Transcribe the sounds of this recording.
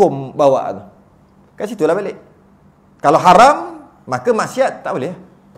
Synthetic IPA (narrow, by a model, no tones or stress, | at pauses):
ʊmbawa̰ʔnɔ | kasit̪ulahbaleʔ | kaloɦaɾamː | akəmaʔsiat̪ːaʔbolɛ